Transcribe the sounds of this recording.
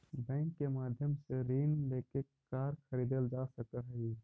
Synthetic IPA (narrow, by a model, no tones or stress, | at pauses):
bɛ̃ːŋkːemaːd̪ʱjəmseɾiːnleːke | kaːɾkʰəɾiːd̪əld͡ʒasəkaɦəi